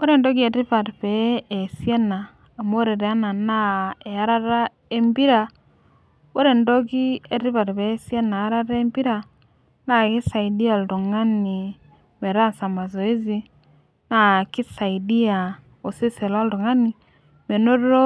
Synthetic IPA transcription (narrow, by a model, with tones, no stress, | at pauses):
bo˦ɾe˨ndo˦ɡi˦e˨ti˦pa˨tpeː˨˦˨sje˦naː˨ | mo˦ɾe˨ɾe˨a˦na˨na˦e˨a˦ɾa˦ɾa˦ | e˦mbi˦ɾa˨ | bo˦ɾe˨ndo˦ki˦e˨ti˦pa˨ɾpe˨˦sje˦na˨a˦ɾa˦ɾa˦mbi˦ɾa˨ | na˦ki˦sa˨i˨di˦a˨ltu˨ŋa˦ni˨ | me˨ɾa˦sa˨ma˨zo˨i˦zi˦ | na˦ki˦sa˨i˨di˦a˨ | o˨si˦se˨la˦ldo˨ŋa˦ni˨ | me˨no˦ɾo˦